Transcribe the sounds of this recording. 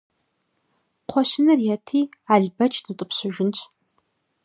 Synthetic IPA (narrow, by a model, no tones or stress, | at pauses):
qʷʰɔʃɪnɐrjɛtʰiːaːɮbɐt͡ʃʼʰdɨtʼɨpɕɪʒɪnt͡ʃʰʼ